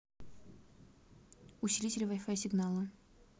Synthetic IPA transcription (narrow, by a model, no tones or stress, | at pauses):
ʊsʲɪlʲitʲɪlʲɪvajfajsʲɪɡnalˠə